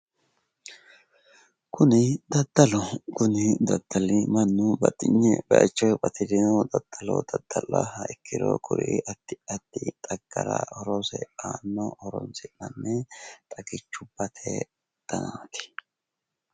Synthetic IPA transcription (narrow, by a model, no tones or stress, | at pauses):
kʊnɪd̪ɐd̪ːɐlɔkʊnɪd̪ɐd̪̥ːɐlɪmɐnːʊbɐt̪ʼːɪɲːɛbɛɐ̰t͡ʃːɔjbɐt̪ʰɪd̪ɪnɔd̪ɐd̪̥ːɐlɔ̰d̪̥ɐd̪̥ːɐlːɐhɐɪkʰːɪd̪o̰kʰʊɾɪʔɐt̪ːɪɐt̪ːɪt̪ʼɐɡ̥ːɐɾɐɔɾɔsɛaːnːɔhɔɾɔnsɪmɐnːɛt̪ʼɐɡɪt͡ʃːʊbːɐt̪ʰe | d̪̥ɐnaːt̪ɪ̥